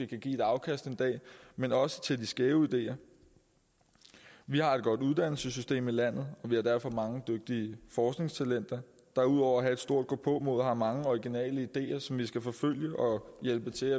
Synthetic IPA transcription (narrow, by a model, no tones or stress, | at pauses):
ekʰæɡ̥ḭːe̥ɑ̈ʊkʰæsd̥e̝nd̥ɛ̰ːmenɒ̽sə̥t͡sʰe̝ld̥isɡ̥ɛːʊid̥e̝̰ːɐ | ʋihɑ̈e̝d̥ɡ̥ɒ̽d̥uðˠd̥æn̰l̩səs̬ysd̥e̝̰ːmelæn̰ð̞̩ˠɒ̽ʋihɑ̈d̥æɐfɒ̽mɑ̈ŋəd̥øɡ̥̚d̥iəfɒːsɡ̥ne̝ŋst͡sʰælen̰d̥ɐ | d̥ɑ̈uð̞̰ˠɒ̰ʊ̰ɐɦæe̝d̥sd̥o̝ɐ̰d̥ɡ̥ɔːpʰɔ̽mo̝ð̰ˠhɑ̈mɑ̈ŋəɒiɡ̥inɛ̰ːləid̥e̝̰ːɐsɒ̽mʋisɡ̥æfɒ̽føl̰jəʔɒ̽jelb̥ət͡sʰe̝æ